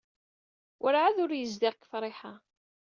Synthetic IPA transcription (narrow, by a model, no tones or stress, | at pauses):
ʔəɾʕaðʊɾjəzd̪ɪʁkːə̥fɾˤeħa